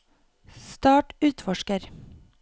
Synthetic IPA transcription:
st̪ɑːʈʉːt̪fɔʃkəɾ

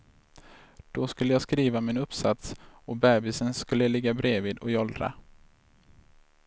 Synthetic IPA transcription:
d̪̥ɔskɵlːəjɑːɡskɾiːvamɪnɵpsat̪sɔbɛːbɪsənskɵlːəlɪɡːabɾeːviːd̪ɔjɔld̪ɾa̰

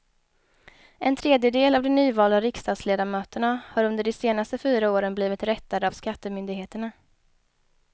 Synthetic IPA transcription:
ʔɛnt̪ʰɾeːd̪jəd̪eːlavd̪ɛnyːvɑːlaɾɪkst̪ɑːd̪sleːd̪aɾmøːt̪əɳahaɾɵnd̪əɖɛseːnast̪əfyːɾaoːɾənbliːvɪt̪ɾɛt̪ːad̪əavskat̪ːəmʏnd̪ɪɡheːt̪əɳa

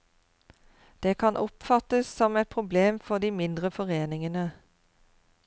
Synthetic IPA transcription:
d̪̥eːkʰɑnʔɔpfɑt̪əssɔmɛt̪̚pʰʁʊbleːmfɔʁd̪iːmɪnd̪ʁəfɔʁeːnɪŋənə

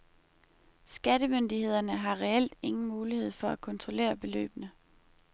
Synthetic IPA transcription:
sɡ̥ædəmønd̥ihe̝ð̞̰ˠɐnəɦɑ̈ʁɛel̰d̥e̝ŋn̩muːlihe̝ð̰ˠfɒ̽ækʰɒ̽nt͡sʰʁo̝le̝̰ːɐb̥e̝lø̰ːb̥nə

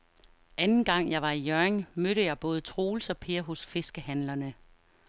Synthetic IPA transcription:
ʔænn̩ɡ̥ɑ̈ŋ̰jɑ̈ɪʋɑ̈ijøɐeŋmøɾəjɑ̈ɪb̥ɔ̽ːð̞̩ˠət͡sʰʁo̝ːlsɒ̽pʰe̝ɐɦɔ̽sfe̝sɡ̥əhænlɐnə

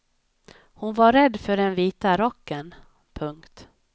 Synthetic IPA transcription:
hʊnvaɾɛd̪ːfœɖɛnviːt̪aɾɔkːən | pʰɵŋkt̪

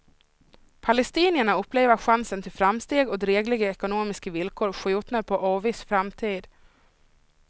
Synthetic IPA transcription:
pʰalɛst̪iːnɪəɳaɵpːleːvəɧansənt̪ʰɪlfɾamst̪eːɡɔd̪ɾeːɡlɪɡəɛkʊnoːmɪskəvɪlkʰoːɾɧʉ̟ːt̪naɾpʰɔʔɑːvɪsfɾamt̪ʰiːd̪

